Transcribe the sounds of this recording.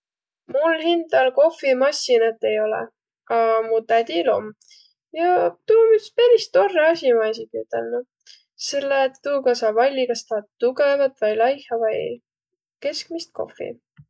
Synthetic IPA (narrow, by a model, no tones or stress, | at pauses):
mulɦind̪̥ɑlko̞fːimɑsʲinɑt̪ːˑe̞jo̞lɛ̰ | ɑmut̪æd̪ʲilo̞̰m | jɑt̪uːmyt̪spæɾist̪ːo̞rːeɑsʲimɑis̬iɡiyt̪ːˑḛlnu | selːet̪ːuːkɑsɑvɑlʲːikɑst̪ɑt̪uɡevɑt̪ˑvɑjlɑjhɑvɑj | ke̞skmist̪̚ko̞̰fḭ